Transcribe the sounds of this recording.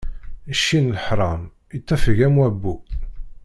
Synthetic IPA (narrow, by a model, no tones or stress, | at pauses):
əʃːinləħɾˤɑm | it̪ːæfəʝæmwæbːu